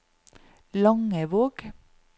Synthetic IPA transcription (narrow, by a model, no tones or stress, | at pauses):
lɑŋəʋoːɡ̥